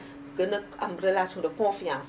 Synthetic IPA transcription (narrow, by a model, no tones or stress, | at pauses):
ɡənəa̰mɾəlasjɔ̃dəkɔ̃fiãs